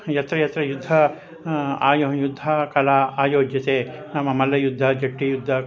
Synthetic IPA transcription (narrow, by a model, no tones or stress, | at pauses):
jɐt̪ɾɐjɐt̪ɾɐjud̪ʱːɐ | aːjojud̪ʱːɐkɐlaːaːjoːd͡ʒjɐt̪eːnɐmɐmɐlːɐjud̪ʱːɐd͡ʒɐʈːijud̪ʱːɐ